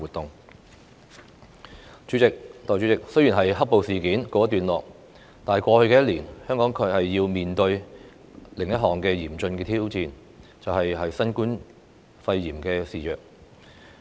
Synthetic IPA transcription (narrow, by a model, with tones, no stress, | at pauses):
uː˨t̪ʊ˨ŋ | t͡ʃy˨˥t͡sɪ˨k̚t̪ɔː˨jt͡ʃy˨˥t͡sɪ˨k̚sjyː˨˩nɦɐ˨jhɐ˥po˨wsiː˨kiː˨˥nkoː˨˧ɐ˥t̪ːyː˨nlɔː˨k̚ | t̪aː˨hɐ˨˩kʷɔː˧hɵ˧ɥkɛː˧jɐ˥t̚liː˨˩nhœː˥ŋkɔː˨˥ŋkʰɵ˨˧˥hɐ˨jːiː˧wmiː˨nt̪ɵ˧ɥ | lɪ˨˩ŋjɐ˥t̚ɦɔː˨˩ŋkɛː˧jiː˨˩mt͡ʃɵ˧nkɛː˧t̪ʰiː˥wt͡siː˧n | t͡sɐ˨whɐ˨jɦɐ˨jsɐ˥nkuː˥n | fɐ˧jːiː˨˩mkɛː˧siː˨jœː˨k̚